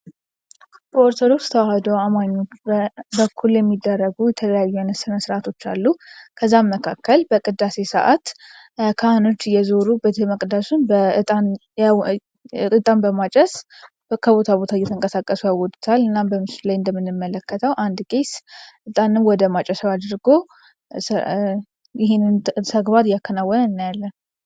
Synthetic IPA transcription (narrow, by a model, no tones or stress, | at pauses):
bəoɾt̪ʰəɾo̞t͡ʃːt̪ʰəwahd̪owamaɲːo̞t͡ʃːbəkʰːuljɛmːid̪ːərːəɡujɛt̪ʰələjajːuanəsɨnəsɨɾʔat̪ʰo̞t͡ʃːa̰lːukʰəzːamːəkʰakːəlbəkʼɨd̪ːase̞sə̰ʔat̪ | kʰaano̞t͡ʃːjɛzo̞ɾubət̪ʰeməkʼd̪asunbəɨt̪ʼan | ɨt̪ʼanbəmat͡ʃʼɛs | kʰəbo̞t̪ʰabot̪ʰajɛt̪ʰəŋkʼəsakʼːəsujawɔd̪t̪ʰalɨnːambəmɨslajɨnd̪əmːɨnːɨmːələkːət̪ʰəwʔand̪ɡʼesʔɨt̪ʼanɨmwɔd̪əmat͡ʃʼɛsəwad̪ɾɨɡo̞ | jɪɦennt̪ʰəɡbad̪jakʰːənawːɔnəɨnːajalːən